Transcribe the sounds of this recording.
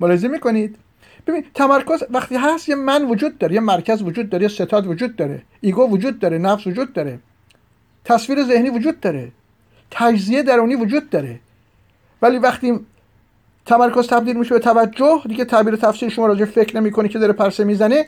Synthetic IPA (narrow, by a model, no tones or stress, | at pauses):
molɒhezemiːkʰo̞nid̪̥ | b̥e̞binit̪ʰæmæɾkʰo̞zvæxt̪iːɦæst̪jemænvod͡ʒuːd̪̚ːɒːɾejemæɾcʰæzvod͡ʒuːd̪̚ːɒːɾejese̞t̪ʰɒːd̪vod͡ʒuːd̪̚ːɒːɾḛ | iːɡovod͡ʒuːd̪̚ːɒːɾenæfsvod͡ʒuːd̪̚ːɒːɾe | t̪ʰæsviːɾeze̞hniːvod͡ʒuːd̪̚ːɒːɾḛ | t̪ʰæd͡ʒzijed̪æɾuːniːvod͡ʒuːd̪̚ːɒːɾe | væliːvæχt̪iː | t̪ʰæmæɾkʰo̞zt̪ʰæbd̪iːlmiːʃebet̪ʰævæd͡ʒːohd̪iɟet̪ʰæbiːɾet̪ʰæfsiːlʃomɒːɾɒːd͡ʒeefecʰɾnemiːkʰonikʰeɒːɾepʰæɾsemiːzæne